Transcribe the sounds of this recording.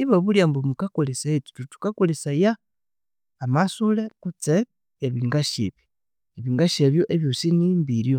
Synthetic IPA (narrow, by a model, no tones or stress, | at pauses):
iβaβuljambomukakolesaetu̥tutu̥kakolesajaː | masulekut͡se | eβiŋɡaʃeβjo | eβiŋɡaʃeβjoʔeβjosinimbiɾjo